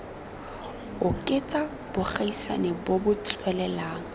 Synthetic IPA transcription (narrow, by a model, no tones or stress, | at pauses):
ʊkʼɪt͡sʼa | b̥ʊχaisa̰nebobʊt͡sʼwɛlɛlaːŋ̩